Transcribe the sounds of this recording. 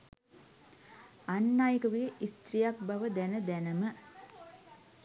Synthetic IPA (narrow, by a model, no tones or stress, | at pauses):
anːaːjəkəʋeʔist̪rijak̚baʋəd̪ænəd̪ænəmə